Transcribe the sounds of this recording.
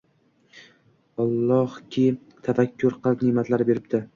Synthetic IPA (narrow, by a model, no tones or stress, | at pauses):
ɒlˠːɒhkʲʰɪ | t̪ʰafakʲʰːʊɾqʰɨlˠɪpnɪmat̪ʰlaɾɪbe̞ɾɪb̚d̪ɪ